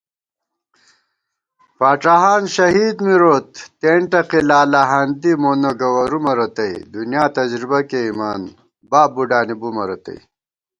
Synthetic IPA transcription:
paːʈ͡ʂaɦaːnɕɐɦiːd̪miɾoːt̪ːeɳʈɐqilaːlaɦɐnd̪imoːnɐɡɐwɐɾumɐɾɐt̪ɐid̪unjaːt̪ɐd͡ʑɾibɐkeimaːn | baːbuɖaːnibumɐɾɐt̪ɐ̰i

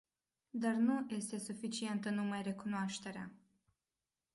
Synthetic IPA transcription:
d̪arnuje̞st̪e̞sufit͡ʃie̞nt̪ənumajre̞kunoaʃt̪e̞ɾea̰

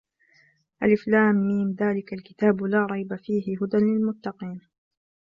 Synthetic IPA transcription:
ʔalʔɪflaːmːiːmðaːlɪkalkɪ̥t̪aːbʊlaːɾˤɑjbafiːɦɪɦʊd̪anlɪlmʊt̪ːɑqiːn

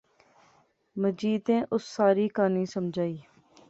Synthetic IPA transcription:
məd͡ʒiːd̪ẽːʔʊsːaːɾiːkaːnĩːsəmd͡ʒʱaːiː

